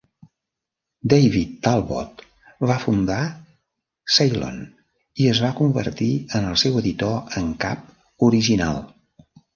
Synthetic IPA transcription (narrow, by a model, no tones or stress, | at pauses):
d̪ejβit̪ːalˠβɔ̰t̪ | afund̪a | sajlo̰n | iəzβakumbə̰ɾt̪iənəlˠsɛwəðit̪oəŋka̰p̚ | uɾiʒina̰lˠ